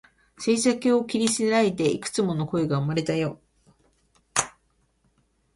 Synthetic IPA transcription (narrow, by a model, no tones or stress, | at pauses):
se̞ːsakeo̞kʲiɾʲisinaid̪e̞ikɯ̥t͡sɨmo̞no̞ko̞eɡaɯ̟maɾe̞t̪ajo̞